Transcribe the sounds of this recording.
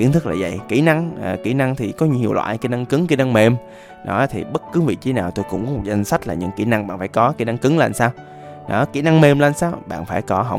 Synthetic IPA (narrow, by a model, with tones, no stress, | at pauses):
ki˧˥ənt̪ʰɨ˦˥k̚la̰ː˨˩zə̰˧˨jki˧˩na˧ŋəː˨˩ki˧˩˦na˧ŋt̪ʰi˨˩kɔ˨˦ɲi˧˨i˨˩əwlwa̰ː˧˨jki˧˦na˧ŋkɨ˨˦ŋki˧˦na˧ŋme˧m | ɗɔ˨˦t̪ʰi˨˩ɓə˦˥t̚kɨ˨˦vḭ˧˨t͡ɕ̪i˨˦naː˨˩wt̪o˧jkʊ̰˧˥ŋ͡mkɔ˨˦m̚˨˩za˧jŋ̟sa˦˥t̚laː˨˩ɲɨ̰˧˥ŋki˧˩na˧ŋɓa̰ː˧˨nfaː˧˩jkɔ˨˦ki˧˩˦na˧ŋkɨ˨˦ŋla˨˩nsaː˧w | ɗɔ˨˦ki˧˩na˧ŋme˧mlaː˧˩nsaː˧wɓa̰ː˧˨nfaː˧˩jkɔ˨˦ɦə̰˧˩wŋ͡m